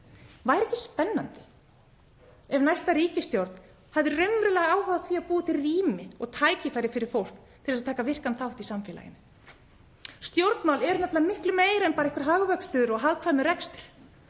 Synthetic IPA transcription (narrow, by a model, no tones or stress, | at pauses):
vaːjɾɛhcɪspɛnːant̪ɪ̥ | ɛvnajst̪aɾiːcɪst̪jowɾt̪n̥ | havðɪrʏmɾʏlɛɣaaːwɦawðaθviːaðpuːt̪ʰɪriːmɪɔɣt̪ʰaːjcɪfajɾɪfɪɾɪɾ̥fowl̥kt̪ʰɪlɛsaðt̪ʰaːkavɪr̥kanθawht̪isamfɛːla̰jɪ̰nɪ | st̪jowɾt̪nmawlɛɾnatp̪lamɪhklʏmeːjɾaɛnpaːɾaɪhkvaɾɦaɣvœkst̪œːðʏɾɔɣɦaðkʰvajmʏɾɛkst̪ʏ̥ɾ̥